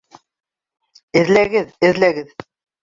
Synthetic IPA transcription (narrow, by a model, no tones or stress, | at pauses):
ɘ̆ðlæɡɘðɘ̆ðlæɡɘð